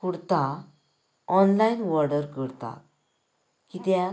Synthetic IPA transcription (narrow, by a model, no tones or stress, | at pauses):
kuɽt̪a | ɔnlajnʋɔɾɖəɾkəɾt̪a̰ | kit̪ja